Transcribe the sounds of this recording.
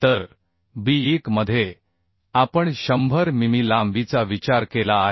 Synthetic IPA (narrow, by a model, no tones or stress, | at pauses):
t̪əɾ | biːkməd̪ʱːje | apəɳɕəmbʱəɾmimiːlamʋit͡saʋit͡ɕaɾkelaːɦ